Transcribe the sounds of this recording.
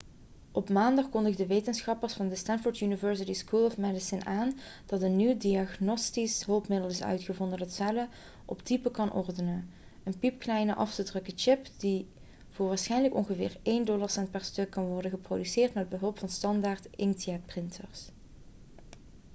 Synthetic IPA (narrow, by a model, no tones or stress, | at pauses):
ʔɔpmaːndɑχkɔndəɣdəʋejtənsχɑpərsfɑndəstɛnfʊɹtjynɪvəɹs̬ɪtiskulˠɔfmɛdɪsɪnaːn | d̥ɑtənːywdiɑχnɔstisɦɵlˠpmɪdəlˠɪsœ̰ɥtχəvɔndənətsɛlə | ʔɔ̰ptipəkɑnʔɔ̰ɹdənən | ənpipklɛjnəʔɑftədrɵkət͡ʃɪpdi | v̥ʊːɹʋaːɹsχɛjnləkɔnχəvɪ̰ːɹejndɔlaɹsɛntpɛɹstɵkːɑnʋɔɹdənɣəprodysɪːrtmɛəd̚bəɦɵlˠpfɑnstɑndaːɹtɪntiɛt̚prɪntʰəɹs